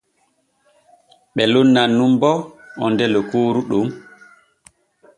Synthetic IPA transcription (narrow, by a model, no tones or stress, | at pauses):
ɓɛlonːanːumbɔɔndɛlɔkoːɾuɗum